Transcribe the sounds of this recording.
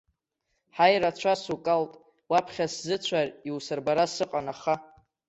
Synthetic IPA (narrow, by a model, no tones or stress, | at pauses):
ħajrat͡ɕʷʰasukʼaltʼ | wapʰχʲaszɨt͡ɕʷʰariwsɨrbaɾasɨqʼanaχa